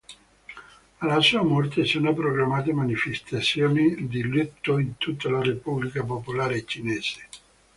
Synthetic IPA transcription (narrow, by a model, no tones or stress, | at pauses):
alasuːamɔrt̪esonapɾoɡɾamaːt̪̬emanifest̪at̪sːjoːnid̪ilut̪ːoint̪ut̪ːalarepublikap̬opolaːɾet͡ʃinɛːz̥e̥